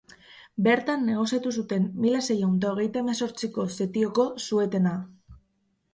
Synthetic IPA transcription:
be̞ɾt̪anːe̞ɣ̞o̞siat̪us̬ut̪e̞nːilase̞jawnd̪aoɣe̞jt̪aemaso̞ɾt͡siko̞se̞t̪io̞ko̞sue̞t̪e̞na

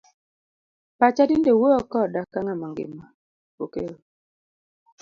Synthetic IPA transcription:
pat͡ʃadindewoɔkɔdakaŋamaŋɡɪ̰mːa | pokeɾo

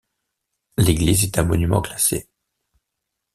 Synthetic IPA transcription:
leɡlizɛt̪ɛ̃mɔnymɑ̰̃klasḛ

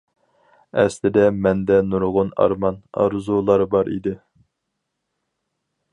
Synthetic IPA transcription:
ɛslɪd̪ɛmɛnd̪ɛnuɾʁʊnɑ̰ɾmɑnɑ̰ɾzulˠɑɾbɑɾḭd̪ɪ

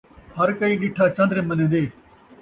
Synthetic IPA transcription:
hɐɾkəiːɗɪʈʰːaːt͡ʃɐ̃nd̪ɾẽːmɐnẽːd̪eː

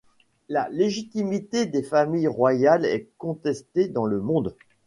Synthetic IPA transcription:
laleʒit̪imit̪ed̪efamijʁwajalɛ̰kɔ̃t̪ɛst̪ed̪ɑ̃ləmɔ̃d̪

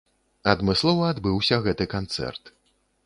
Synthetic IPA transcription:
ɐd̪mɨslˠɔvɐːd̪bɨwsʲɐɣɛt̪ɨkant̪sɛ̰rt̪

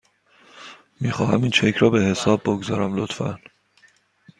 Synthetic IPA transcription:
miːxɒːhæmiːnt͡ʃʰecʰɾɒːbe̞he̞sɒːbːoɡzɒːɾæmlot̪fæ̰n

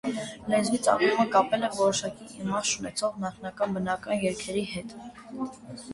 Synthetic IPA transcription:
lɛzvit͡sɑ̰kɾuməkɑpɛlɛvɔɾɔʃɑkiʔimɑʃunɛt͡sʰɔʁnɑχnɑkɑnbənɑkɑnjɛɾkʰɛɾiɦɛt̪

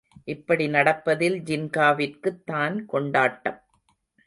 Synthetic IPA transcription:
ʔɪpːɐɽinɐɽɐpːɐðɪld͡ʒɪnkaːʋɪrkɯt̪ːaːnkɔɳɖaːʈːɐm

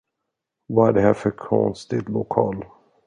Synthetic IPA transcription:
vɑæɖɛhæɾfœɾkʰɔ̰nst̪ɪt̪lʊkʰɑːl

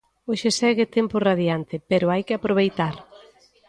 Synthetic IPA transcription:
oʃesɛɣɪt̪ɛmpʊraðjant̪ɪpeɾʊajkɪapɾoβ̞ejt̪aɾ

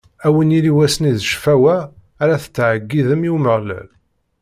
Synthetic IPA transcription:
æwəniliwæsəniðʃfæwæː | ɾæθə̥t͡sːʕəɡːiðəmiwməʁlæ̰l

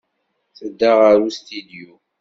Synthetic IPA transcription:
θəd̪ːaʁaɾust̪id̪ju

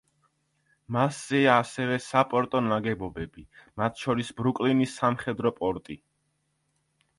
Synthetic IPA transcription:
masz̥ɛaːsɛvɛsapʼɔɾt̪ʼɔnaɡɛbɔbɛbimat̪ʰʃɔɾisbɾukʼlinisːamχɛd̪ɾɔpʼɔɾt̪ʼi

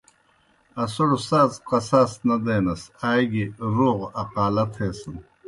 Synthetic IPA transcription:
ɐsoɽusaːzqɐsaːsnɐd̪eːnɐsaːjɡiɾuːʁɐqaːlɐt̪ʰeːsɨn

